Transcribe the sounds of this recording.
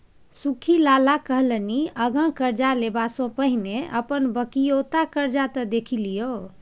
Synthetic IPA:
sukʰilalakəɦləniəɡə̃kəɾd͡ʒalebasõpəɦineʔəpənbəkijot̪akəɾd͡ʒat̪əd̪ekʰilijo

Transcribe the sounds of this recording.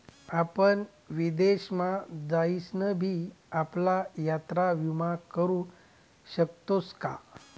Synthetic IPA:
apən | ʋid̪eɕmad͡zaisnəbʱiːaplajat̪ɾaʋimakəɾũː | ɕək̚t̪oska

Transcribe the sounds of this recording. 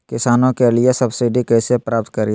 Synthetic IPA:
kɪsaːnõkeliesɐbsiɖikeːsepɾaːp̚t̪̚kəɾi

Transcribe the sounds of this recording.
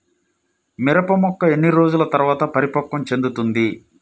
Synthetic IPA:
miɾɐpɐmɔkːɐe̞nːiɾo̞ːd͡ʒulɐt̪ɐɾʋaːt̪ɐpɐɾipɐkːɐmt͡ʃe̞nd̪ut̪und̪i

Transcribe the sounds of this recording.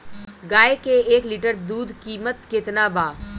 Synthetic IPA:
ɡaːekeeːkliʈəɾd̪uːd̪kiːmət̪kɪt̪naːbaː

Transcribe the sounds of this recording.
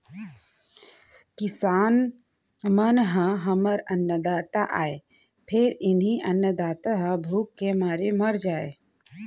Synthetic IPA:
kɪsaːn | mənɦãɦɐməɾɐnːəd̪aːt̪aʔaːe | pʰɪɾɪnɦiʔɐnjəd̪aːt̪aɦãbʱuːkːemaːɾemɐɾd͡ʒaːe

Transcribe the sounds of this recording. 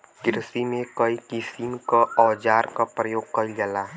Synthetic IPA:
ɡɪɾsimẽkəikɪsinkaɔːd͡ʒaːɾkapɾəjoːɡ̚kəid͡ʒəla

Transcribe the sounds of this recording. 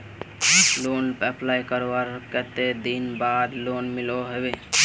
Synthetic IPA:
lonpɛplajkəɾwaɾkət̪ed̪inbad̪lonmiloɦebe

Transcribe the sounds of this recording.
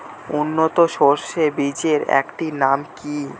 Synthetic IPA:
unːot̪oʃoɾʃebid͡ʑeɾɛ̰kʈinamki

